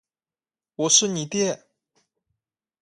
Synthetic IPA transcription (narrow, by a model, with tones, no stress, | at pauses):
wɔ˨˩ʂɻ̩˥˩ni˨˦t̪jɛ˥˩